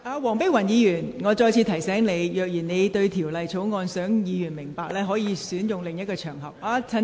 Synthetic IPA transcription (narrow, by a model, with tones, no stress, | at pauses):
aː˧wɔː˨˩ŋpe˥wɐ˨˩njiː˨˧jyː˨˩nŋɔː˨˧t͡ʃɔː˧jt͡sʰiː˧t̪ʰɐ˨˩jsɛː˨˥ŋne˨˧jjœː˨k̚jiː˨˩nne˨˧jt̪ɵ˧ɥt̪ʰiː˨˩wlɐ˨jt͡sʰo˨˥wŋɔː˧nsœː˨˥ŋjiː˨˧jyː˨˩nmɪ˨˩ŋpaː˨k̚lɛː˥ɦɔː˨˥jiː˨˧syː˨˥njʊ˨ŋlɪ˨ŋjɐ˥t̚kɔː˧t͡ʃʰœː˨˩ŋɦɐ˨˩p̚aː˧t͡sʰɐ˧